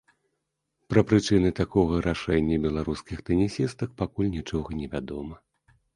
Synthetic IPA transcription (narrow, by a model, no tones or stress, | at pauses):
pɾɐpɾɨt͡ʂɨnɨt̪akɔɣɐɾaʂɛnʲːɐbʲɛlˠaɾuskʲixt̪ɛnʲisʲist̪ɐk̚pakulʲnʲit͡ʂɔɣɐnʲɛvʲad̪ɔmɐ